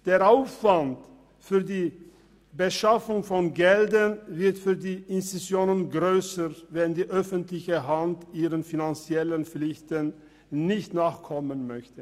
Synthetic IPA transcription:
d̥eːɐaʊfv̥ant | fyːɐdiː | bəʃafʊŋfɔnɡɛldənvɪɐtfyːɐdiːʔɪnsisjoːnənɡʁøːsəʁvɛndiːʔœfəntlɪçəɦantiːʁənfinant͡sjɛlənlɪçtənː | ɪçtnaːχkʰɔmənmœçtə

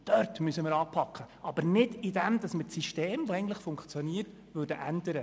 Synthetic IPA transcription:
d̥œrtmysəmɪːɾɑːpʰɑkχəʔɑbəɾnɪdɪdɛmd̪ɑsməsiʃteːmvoɛɪɡn̩tləχfʊŋkt͡sjɔniəɾt | ʋøːɾdəʔændəɾə

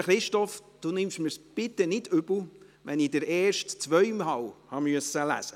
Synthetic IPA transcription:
χɾɪʃtɔfd̥unɪmʃmiɾsb̥ɪt̪ːɛnɪdʏb̥l̩ˠ | ʋɛniːdəɾɛːɾʃtt͡sʋœʏmɦɑwhɑmyəsəlæ̰sə

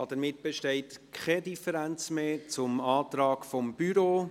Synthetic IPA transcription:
ɑd̥əɾmɪt̚b̥eʃtɛɪtkχɛdifəɾænt͡smeːt͡sʊmɑːt̪ɾɑːɡfɔmb̥yɾoː

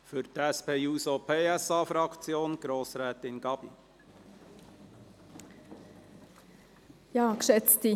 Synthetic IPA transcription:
fʏɾt̪ɛspʰeːuːsopʰeːɛsɑːfɾɑkt͡sjoːnɡ̥ɾoːsɾɛːt̪ɪnɡɑbḭ | jɑːkʃɛt͡sti

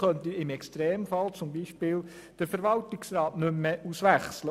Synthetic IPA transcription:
χœntiɪmɛkstɾeːmfɑlt͡sʊmbiːʃpɪl | d̥əɾfəɾʋɑltɪksɾɑːtnʏmːeusʋæχslə

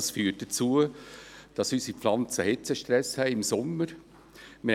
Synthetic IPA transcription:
sfyːət̚d̥ət͡suəd̥ɑsysipflɑnt͡səhɪt͡səʃtɾɛshɛɪɪmsʊmːəɾ | mɪ

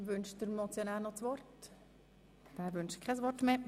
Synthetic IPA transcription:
ʋʏnʃd̥əɾmɔt͡sjonæːɾnɔt͡sʋɔrt | d̥æːʋʏnʃkʰɛsʋɔɾtmeː

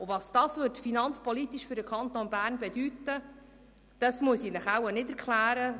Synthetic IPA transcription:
ʊvɑsd̥ɑːsʋɵɾtfinɑnt͡spɔlit̪iʃfɵɾdəkʰɑnt̪onbæːɾnbɛdytːə | d̥ɑsmuəsiːnəχæwənɪdɛɾkχlæːɾə

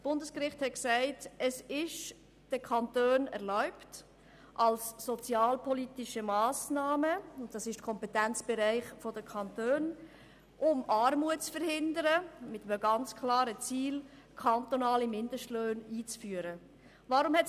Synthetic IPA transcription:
sb̥ʊndəskɾɪχthɛt̚ksæɪtəsɪʃ | d̥əkʰɑntøːnɛ̰ɾlaʊpt | ʔɑlsːɔt͡sjɑːlpʰɔliːtɪʃəmɑːsnaːməʊntd̥ɑsɪʃtkʰɔmpɛtænt͡sb̥ɛɾæɪχfɔdəkʰɑntøːn | ʔʊmʔɑːɾmuət͡sfəɾhɪndəɾəmɪtəməɡɑnt͡skʰlɑːɾət͡siːl | kʰɑntonɑːlimɪndəʃtløːniːt͡sfyːəɾə | vɑɾʊmhɛt

